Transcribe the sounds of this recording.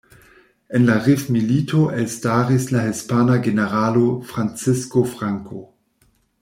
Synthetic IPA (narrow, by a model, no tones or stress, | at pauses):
enlaʁifmilitʰoʔelstaːʁislaɦispanaɡeneʁalofʁant͡sɪskofʁaŋkʰo